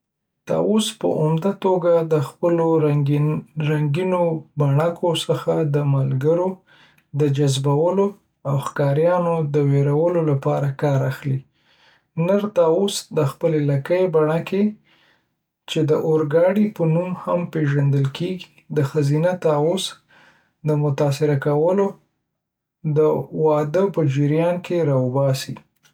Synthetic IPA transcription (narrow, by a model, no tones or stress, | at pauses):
t̪ɑ̰ospə̰ʔʊmd̪at̪oɡad̪əxpəloɾ | ɾaŋɡinobaɳakʰosəxad̪əmalɡəɾo | d̪əd͡ʒazbawəlo | awxkɑɾjɑnod̪əweɾawəlolapɑɾakɑɾaxli | nəɾt̪ɑosd̪əxpəlelakəjbaɳakʰe | t͡ʃed̪əʔoɾɡɑɽipənumhampeʒand̪əlkʰeɡi | d̪əxazinat̪ɑos | d̪əmʊt̪ɑsɪɾakawəlo | d̪əwɑd̪əpəd͡ʒɪɾjɑnkʰeɾɑʊbɑsḭ